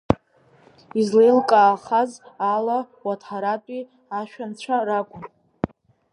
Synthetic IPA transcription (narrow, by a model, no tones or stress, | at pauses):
izle̞jlkʼaːχazala | watʰħaɾatʼi | aʃᶣant͡ɕʷʰarakʷʼʊn